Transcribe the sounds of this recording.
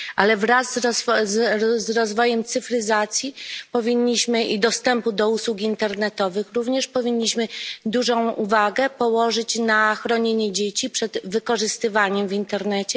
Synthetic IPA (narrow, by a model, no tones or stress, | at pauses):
ʔalɛvɾazːzzɾɔzvɔjɛmt̪sɘfɾɘzat̪sʲjipɔvʲiɲːiɕmɘʔid̪ɔst̪ɛmpud̪ɔuswukint̪ɛɾnɛt̪ɔvɘxɾuvɲɛʂpɔvʲiɲːiɕmɘd̪uʐɔ̃w̃ʔuvaɡɛpɔwɔʐɘt͡ɕnaxɾɔɲeɲɛd͡ʑet͡ɕipʂɛd̪vɘkɔʐɘst̪ɘvaɲɛmvʲint̪ɛɾnɛt͡ɕɛ